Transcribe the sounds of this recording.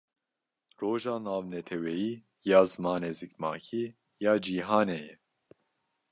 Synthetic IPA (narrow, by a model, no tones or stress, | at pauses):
roːʒaːnaːvnɛt̪ʰɛwɛjiː | jaːzɨmaːneːzikmɑːkʰiː | jaːd͡ʒiːɦɑːneːjɛ